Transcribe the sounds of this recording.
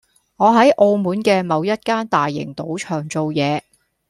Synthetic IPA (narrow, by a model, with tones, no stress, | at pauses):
ŋɔː˨˧ɦɐ˨˥jʔo˧wmuː˨˥nkɛː˧mɐ˨˧wjɐ˥t̚kaː˥nt̪aː˨jːɪ̰˨˩ŋt̪o˨˥wt͡ʃʰœː˨˩ŋt͡so˨˧wjɛː˨˧